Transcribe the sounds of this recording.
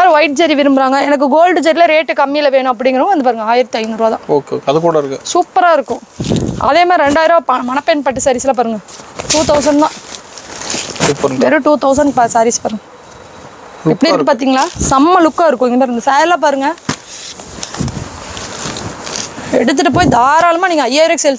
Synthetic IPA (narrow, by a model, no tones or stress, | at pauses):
aːɾʋɐɪʈ̚d͡ʒɐɾiʋɪɾɯmbɯɾaːŋɡɐɛnɐk̬ːɯɡoːlɖɯd͡ʒɐɾɪilɐɾeːʈːɯkɐmːiɪlɐʋeːɳʊ̃ɐp̬ːɐɽɪŋɡɾɐʋʋɐnd̪ɯpaːɾɯŋɡɐaːjɪɾɐt̪ːiɐɪnɾaːðã̰ːoːkeoːkeɐðɯkuːɽɐɪɾɯkːɐsuːpːɐɾaːɪɾɯkːʊ̃ʔɐ̰ðeːmaːɾɪɾɛɳɖaːjɪɾoːpɐmɐnɐpːɛnpɐʈːɯsaːɾiːsɪlaːp̬aːɾɯŋɡɐʈuːt̪ɐʊs̬ɐɳɖt̪ãː | sːpɐɾʋɛɾɯʈuːt̪ɐʊs̬ɐɳɖpaːsaːɾiːspaːɾɯŋɡɐ | ɛpːɐɽiɪɾɾkːɯpaːɾt̪̬iːŋɡɐɭaːsɐmːɐlʊkːaːɪɾɯkːʊ̃ŋɡɐnaɾɛnd̪ɐsaːjlːaːp̬aːɾɯŋɡɐ | ɛɽɯt̪̬ːɯʈːɯp̬oːjid̪aːɾaːlɯmaːniːŋɡɐɐjːaːjɪɾokːsel